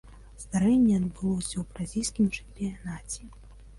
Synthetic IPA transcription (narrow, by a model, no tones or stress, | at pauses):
zd̪aɾɛnʲːɛɐd̪bɨlˠɔsʲɐwbɾazʲijskʲimt͡ʂɛ̥mpʲijanat͡sʲi